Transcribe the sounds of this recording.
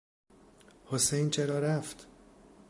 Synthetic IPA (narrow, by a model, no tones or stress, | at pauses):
hosejnt͡ʃʰeɾɒːɾæft̪